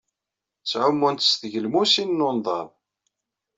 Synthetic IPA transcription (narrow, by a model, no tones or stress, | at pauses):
t͡sːʕʊmːunt̪sθʝəlmusinːonðˤɑðˤ